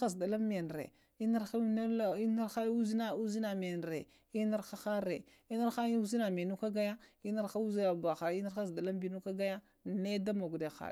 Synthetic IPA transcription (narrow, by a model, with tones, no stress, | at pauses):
a˦sda˨la˦mːe˨n˨ɾḛ˨ | i˦na˦ɾa˦na˦la˨i˦na˦ɾxa˦u˦zi˦na˦u˦zi˦na˨me˨n˨ɾe˨ | i˦na˦ɾxa˦xa˦ɾe˨ | i˦na˦ɾxa˦u˦zi˦na˨mi˨nu˦ka˦ɡa˦ja˦i˦na˦ɾxa˦u˦zi˦na˨ba˨xa˨i˦na˦ɾa˦sda˨la˦mbi˨nu˦ka˦ɡa˦ja˦ | ne˦da˦mo˨ɡde˨xa̰˨